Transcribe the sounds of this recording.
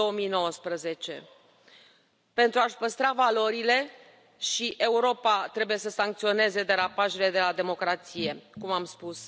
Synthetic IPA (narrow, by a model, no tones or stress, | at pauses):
oomijno̞wəspɾəze̞t͡ʃe̞̰ | pe̞nt̪ɾuaʃpəst̪ɾavalo̞ɾile̞ | ʃiʔe̞uɾo̞pat̪ɾe̞buje̞səsaŋkt̪sio̞ne̞ze̞d̪e̞ɾapaʃele̞d̪e̞lad̪e̞mo̞kɾat̪sije̞kumamspus